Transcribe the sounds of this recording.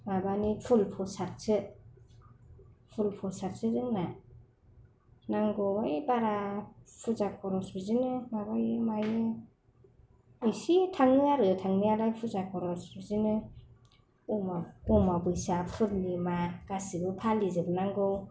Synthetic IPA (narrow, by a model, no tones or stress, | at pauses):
mabanipʰulpʰɔsat̚sɯ | pʰulpʰɔsaɾ̚sʰɯzɯŋna | naŋɡɔwajbaɾapʰuzakʰɔɾɔsbizinɯmabajɯmajɯ | ɯjsitʰaŋnɯaɾɯtʰaŋnialajpʰuzakʰɔɾɔsbizinɯ | ɔmaɔmabɯjsapʰɯlnimaɡ̥asibɯpʰalizɯbɯnaŋɡɯw